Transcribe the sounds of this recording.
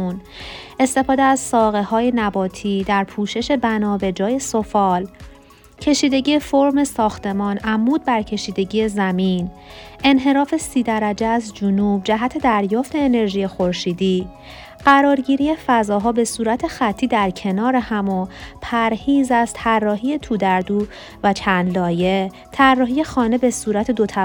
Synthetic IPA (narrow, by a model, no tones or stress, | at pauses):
un | e̞st̪e̞fɒːd̪eæzsɒːɣe̞hɒːje̞næbɒːt̪ʰiːd̪æɾpʰuːʃe̞ʃe̞bænɒːbe̞d͡ʒɒːje̞so̞fɒːl | cʰe̞ʃiːd̪e̞ɟiːjefoɾme̞sɒːxt̪ʰe̞mɒːnʔæmːuːd̪̚bæɾcʰe̞ʃiːd̪e̞ɟiːjezæmiːn | e̞nɦe̞ɾɒːfe̞siːd̪æɾæd͡ʒeæzd͡ʒunuːb̚d͡ʒæɦæt̪ʰe̞d̪æɾjɒːft̪e̞ːne̞ɾʒiːjexo̞ɾʃiːd̪iː | ɢ̥æɾɒːɾɟiːɾiːjefæzɒːɦɒːbe̞suːɾæt̪ʰe̞xæt̪ʰːiːd̪æɾcʰe̞nɒːɾehæmopʰæɾhiːzæst̪ʰærːɒːɦiːje̞t̪ʰuːd̪æɾd̪uː | væt͡ʃʰænd̪lɒːje̞ | t̪ʰærːɒːɦiːje̞xɒːne̞besuːɾæt̪ʰe̞d̪ot̪ʰæ